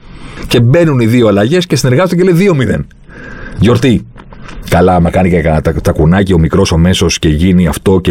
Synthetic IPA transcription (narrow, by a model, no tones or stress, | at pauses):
ce̞be̞nuniðio̞ɐlɐʝe̞sce̞sine̞ɾɣɐzod̪ɐceleiðio̞miðe̞̰n | ʝo̞ɾt̪i | kɐlɐɐmɐkɐniceɐt̪ɐkunɐcio̞mikɾo̞sɐme̞so̞sce̞ʝiniɐft̪o̞ce